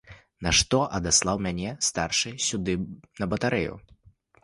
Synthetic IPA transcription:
nɐʂt̪ɔʔɐd̪aslˠawmʲanʲɛst̪arʂɨsʲud̪ɨnɐbɐt̪aɾɛjṵ

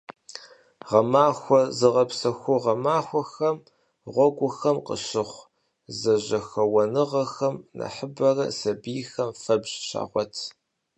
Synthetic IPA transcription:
ʁɐmaːxʷɔzɨʁɐpsɐxʷʊʁɐmaːxʷɔxɐm | ʁʷɔɡʷʊxɐmqə̰ɕɪχʷ | zɐʑɐxɐwɐnɨʁɐxɐmnɐ̰ħəbɐrɐ̰sɐbijxɐmfɐbʑɕa̰ːʁʷɔtʰ

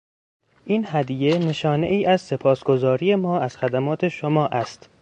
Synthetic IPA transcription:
ʔiːnhæd̪ije̞ne̞ʃɒːne̞̰ʔiːʔæzse̞pʰɒːsɡo̞zɒːɾije̞mɒːæz̥xæd̪æmɒːt̪ʰe̞ʃomɒːʔæst̪

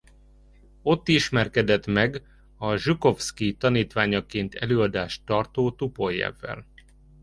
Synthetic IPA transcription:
o̞t̪ːiʃmɛrkɛd̪ɛt̪mɛɡ | ɒʒuko̞fskit̪ɒniːt̪ʋaːɲɒkeːnt̪ʰɛ̰løːɒd̪aːʃt̪ːɒrt̪oːt̪upo̞jːɛ̰vːɛ̰l

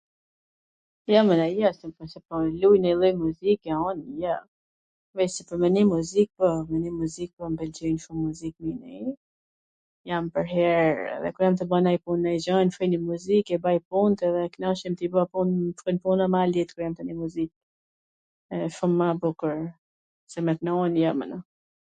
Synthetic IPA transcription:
jamənajasɛpasɛpɔlujnɛlˠɔjmuzikaɔnja | vɛsɛpəɾmɛnimuzik̚pɔmɛnimuzik̚pɔmpɛld͡ʒinʃumːuzik̚minɛ | jampəɾɦɛɾɛ̰ðɛ̰kuɾjamt̪əbanajpunnajzɔnfɾɔjnimuzikɛbajpunt̪ɛðɛknaʃimt̪ibɔapunfɾɔnpunamalit̪kuɾjamt̪ənimuzik̚ | ɛfumːabukəɾ | sɛmɛt̪̚nəɔnjamə̰nə

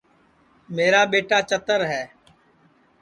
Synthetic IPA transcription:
meːɾaːɓeːʈaːt͡ʃət̪əɾɦɛː

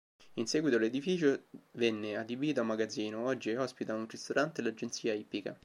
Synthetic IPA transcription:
insɛːɡwit̪oled̪ifiːt͡ʃovenːead̪ibiːt̪oamaɡad̪ziːnoɔd͡ʒːiɔspit̪aunrist̪oɾʔant̪elad͡ʒent̪siːaipːika̰

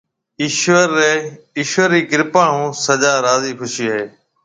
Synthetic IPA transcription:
ɪʃʋəɾeː | ɪʃʋəɾːiːkɪɾpaːɳũːsəd͡ʒaːɾaːziːkʰʊʃiːəɦeː

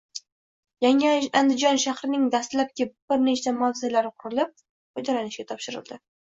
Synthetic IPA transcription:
jaŋand̪ɪd͡ʒɒnʃahɾɪnɪŋd̪ast̪lap̚kʲɪb̥ɪɾnet͡ʃt͡ʃamawzɪlaɾɪqʰʊɾɪlɪp̚ | hod͡ʒalanɪʃɡʲat̪ʰɒpʃɪɾɪ̰lˠd̪ɪ

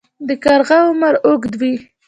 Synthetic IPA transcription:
d̪əkaɾɣaʊmaɾʊɡd̪wi

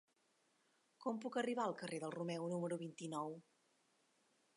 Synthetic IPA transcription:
kɔmpukəriβ̞aəlˠkəreðəlˠrumɛwnuməɾuβint̪inɔw

